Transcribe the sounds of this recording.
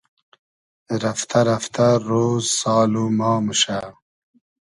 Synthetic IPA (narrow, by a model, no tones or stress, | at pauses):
ɾaft̪ʰɐɾɐft̪ʰaɾoːzsɑːlumɑːmuʃa